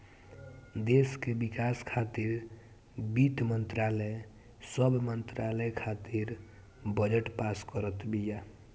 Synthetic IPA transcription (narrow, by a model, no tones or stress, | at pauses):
d̪eskebikaskʰat̪iɾ | bit̪mənt̪ɾalɛ | səbʱmənt̪ɾaləjkʰat̪iɾ | bəd͡ʒeʈpaskəɾət̪bija